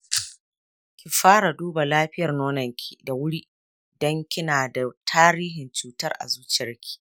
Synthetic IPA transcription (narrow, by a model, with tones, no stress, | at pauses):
kʲi˨ɸaː˦ɽa˨duː˦ba˨laː˦ɸɪ˦jɐ˨rnoː˦nɐ˨ŋkʲi˨da˨wʊ˦ɽi˦ʔ | dɔ˦ŋkʲɪ˦naː˨da˨tʰaː˦ɾiː˦ɦɪ˨nt͡ʃuː˨tɐ˦rʔa̰˨zuː˦t͡ʃɪ˦ɐ˦rkʲi̥˦˨